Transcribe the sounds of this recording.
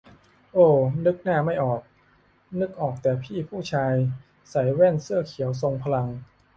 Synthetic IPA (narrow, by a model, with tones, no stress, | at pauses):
ʔoː˧˩nɯ˦˥k̚naː˥˩ma˥˩jʔɔː˨˩k̚ | nɯ˦˥k̚ʔɔː˨˩k̚t̪ɛː˨˩pʰiː˥˩pʰuː˥˩t͡ɕʰaː˧j | sa˩˦jwɛ˥˩nsɯ˥˩ɐkʰi˨˩˦ws̬o˧ŋpʰa˧la˧ŋ